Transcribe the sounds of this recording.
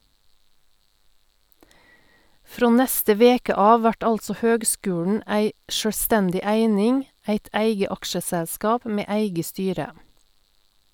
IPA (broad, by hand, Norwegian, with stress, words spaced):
ˈfɾoː ˈnɛstə ˈʋeːkə ˈɑːʋ ˈʋæʈ ˈɑlsɔ ˈhøːɡˌskʉːɳ̩ ˈæɪ ʃœˈstɛndɪ ˈæɪnɪŋ ˈæɪt ˈæɪɡə ˈɑkʃəsɛˌskɑːp ˈmeː ˈæɪɡə ˈstyːɾə